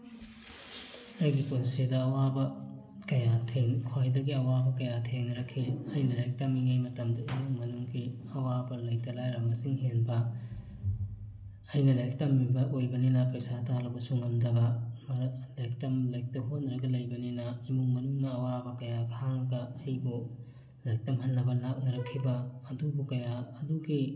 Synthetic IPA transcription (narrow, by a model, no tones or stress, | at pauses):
ɐjɡiponsedɐːwabɐ | kɐjatʰeŋkʰwajdɐɡiɐwabɐkɐjatʰeŋnɐɾɐkʰːiɐjnɐlajk̚tɐmiŋajmɐtɐmdɐinuŋmɐnuŋɡi | ɐwabɐlɐjk̚tɐlajɾɐmɐsiŋɦenbɐ | ɐjnɐlajk̚tɐmːibɐʔojbɐninɐpɐjsatʰalɐbɐsuŋɐmdɐɡɐmlajk̚tɐmlɐjk̚tɐɦot̚nːɐɾɐɡɐlɐjbɐninɐimuŋmɐnuŋnɐːwabɐkɐjakʰaŋɐɡɐɐjbu | lajk̚tɐmɦɐnːɐbɐnak̚nɐɾɐkʰːibɐːdubukɐjaɐduɡi